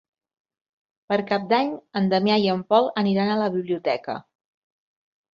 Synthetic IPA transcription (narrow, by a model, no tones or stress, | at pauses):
pəɾkap̚d̪aɲənd̪əmjajəmpɔlˠəniɾanələβiβliut̪ɛkə̰